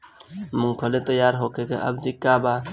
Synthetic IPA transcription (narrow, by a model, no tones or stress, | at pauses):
muŋpʰəlet̪əjaːɾɦoːkekḛʔə̰bdikːaba